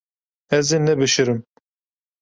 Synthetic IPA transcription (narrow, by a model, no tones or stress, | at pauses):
ɛzeːnɛbɨʃɨɾɨm